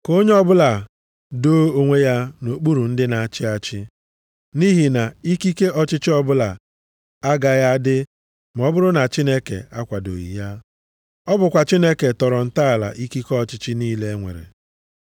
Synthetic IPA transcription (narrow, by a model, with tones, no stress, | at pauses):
ko˦ɲe˦ɔ˦bʊ˦la˨ | doː˦o˨ŋʷe˦ja˦no˨k͡pu˦ɾu˨n̩˦dɪ˦na˨a˨t͡ʃɪ˦a˦t͡ʃɪ˦ | ni˦ɦi˨na˨i˦ki˦ke˦ʔɔ˦t͡ʃɪ˦t͡ʃɪ˦ɔ˦bʊ˦la˨ | a˦ɡa˨ja˦dɪ˦ | m˨ɔ˦bʊ˦ɾʊ˦na˨t͡ʃi˦ne˦kḛ˨a˦kʷa˨do̰˨jḭ˨ja˦ | ɔ˦bʊ˨kʷa˨t͡ʃi˦ne˦ke˨tɔ˨ɾɔ˨n̩˨ta˦a˨la̰˨ʔi˦ki˦kɔ˦ɔ˦˨t͡ʃɪ˦t͡ʃɪ˦niː˦le˦ŋʷḛ˨ɾḛ˨